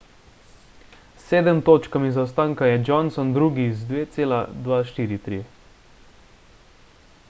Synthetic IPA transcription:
sːeːd̪ɛmt̪oːt͡ʃkamizawst̪aːŋkajɛd͡ʒɔnsɔnd̪ɾuːɡizd̪ʋeːt̪seːlad̪ʋaʃt̪iːɾit̪ɾḭ

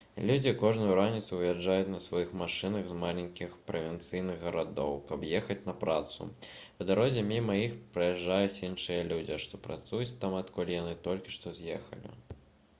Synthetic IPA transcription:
lʲud͡zʲikɔʐnʊjuɾanʲit̪suvʲjad͡ʐːajut͡sʲnɐsvajixmaʂɨnɐɣzmalʲenʲkʲixpɾɐvʲɛnt̪sɨjnɨɣɣɐɾad̪ɔ̰wkɐpjɛxɐt͡sʲnɐpɾat̪sṵpɐd̪aɾɔzʲɛmʲimɐjixpɾɨjɛʐːajut͡sʲinʂɨjɐlʲud͡zʲiʂt̪ɔpɾa̰t̪sujut͡sʲt̪amɐt̪kɔlʲijanɨt̪ɔlʲkʲi̥ʂt̪ɔzʲjɛxɐ̰lʲḭ

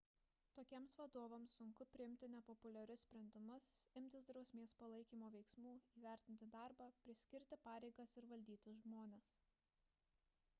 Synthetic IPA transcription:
t̪oːkʲiɛmsʋɐd̪oːʋɐmsːʊŋkʊpʲɾʲɪɪmʲt̪ʲɪnʲɛpɔpʊlʲɛɾʲʊssʲpʲɾʲɛnʲd̪ʲɪmʊsɪmʲt̪ʲɪsd̪ɾɒʊsʲmʲeːspɐlˠɐɪkʲiːmoːʋʲɛɪksmuːiːʋʲæˑɾʲt̪ʲɪnʲt̪ʲɪd̪ɑˑɾbɑpʲɾʲɪsʲkʲɪɾʲt̪ʲɪpɑːɾʲɛɪɡɐsɪɾʋɐlʲd̪ʲiːt̪ʲɪʒmoːnʲeːs

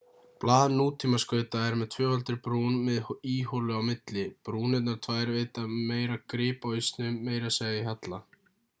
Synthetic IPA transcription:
plaːðnuːt̪ʰːiːmaskœɥt̪aɛɾmɛðt̪ʰvœːhalt̪ɪɾpɾuːnmɛðiːholʏawmɪt̪lɪpɾuːnɛt̪naɾ̥t̪ʰvaːjɾveːjt̪ameːjɾakɾɪːpojst̪nʏmeːjɾaseːjðɪɦat̪la

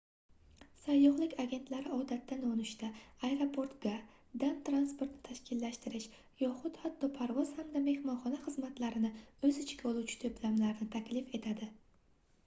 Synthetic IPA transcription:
sajːɒχlˠɪkʲaɡʲe̞nt̪laɾɪɒd̪at̪ːanonɪʃt̪aajɾopʰo̞ɾt̪ɡa | d̪amt̪ɾanspo̞ɾt̪nɪ̥t̪ʰaʃkʲɪlːaʃt̪ɪɾɪʃ | jɒχʊt̪hat̪ʰːɒpʰaɾvɒz̥hamd̪ame̞hmɒnχɒnaχɨzmat̪laɾɪnɪɵzɪt͡ʃʰɪ̥kʲolˠut͡ʃʰɪ̥t̪ʰoplamlaɾnɪt̪ʰakʲlɪfe̞t̪ʰad̪ɪ

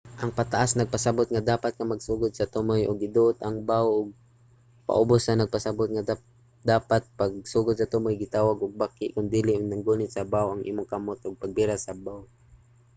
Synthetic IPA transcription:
ʔɐŋpɐt̪aʔasnɐɡ̚pasɐbʊt̪̚ŋad̪aːpat̪̚kɐmaɡsuːɡʊd̪̚sɐt̪ʊmojʔʊɡɪd̪ʊʔʊt̪ɐŋbawʔʊɡ̚ | pa̰ʔʊbʊsːɐnɐɡ̚pasɐbʊt̪̚ŋɐ | d̪aːpat̪̚pɐɡ̚suːɡʊd̪sɐt̪ʊmojɡɪt̪aːwaɡʊɡ̚bakːɪʔkʊnd̪iːlɪʔʊnɐŋɡuːnɪt̪̚sɐbawʔɐŋʔḭːmʊŋkamot̪ʔʊɡ̚pɐɡ̚bɪɾasɐbaw

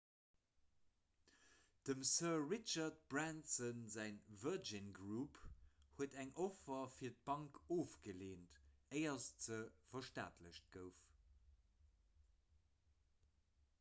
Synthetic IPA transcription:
d̥əmsɜɐɹit͡ʃɐt̚b̥ʁæntsənzæɪnvəd͡ʒinɡʁuphuətæŋʔofɐfiːɐt̚b̥ɑŋkoːfɡ̥əleːntəɪɐst͡səfɐʃta̰ːtʰləɕt̚ɡ̥əʊf

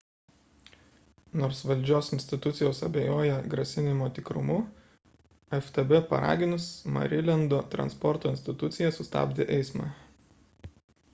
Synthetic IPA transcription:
noːɾsʋɐlʲˑd͡ʒʲoːsɪnʲsʲt̪ʲɪt̪ʊt̪sʲɪjoːsɐ̰bʲeːjoːjɛɡɾɐsʲɪnʲɪmoːt̪ʲɪkɾʊ̰mʊ | ɛft̪ɛbɛpɐ̰ɾɑ̰ːɡʲɪnʊsmɐ̰ɾʲɪlʲɛnd̪oːt̪ɾɐ̰nspɔɾt̪oːɪnʲsʲt̪ʲɪt̪ʊt̪sʲɪjɛsʊst̪ɑ̰ːbʲd̪ʲeʔɛɪsmɑ̰ː

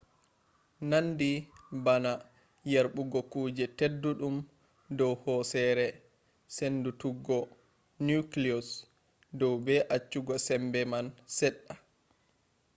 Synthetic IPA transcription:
nandibana | jaɾɓuɡɔkuːd͡ʒɛtedːuɗum | dɔwhɔsɛɾɛ | sendutuɡɔ | nukliɔs | dɔwbɛʔat͡ʃːuɡɔsɛmbɛmansɛɗːa

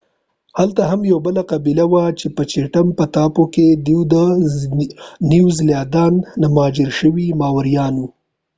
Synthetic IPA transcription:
halt̪aɦamjawbəlaqabilawat͡ʃepət͡ʃeʈampət̪ɑpoked̪iwd̪ə | niwzljɑd̪ɑnːamɑːd͡ʒɪɾʃəwimɑwaɾijɑnwu

